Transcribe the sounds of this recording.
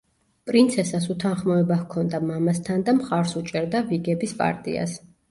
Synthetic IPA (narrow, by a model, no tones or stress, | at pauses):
pʼɾint̪sʰɛsasut̪ʰanχmɔɛbavkʰɔnd̪amamast̪ʰand̪amχaɾsut͡ʃʼɛɾd̪aviɡɛbispʼa̰ɾt̪ʼḭa̰s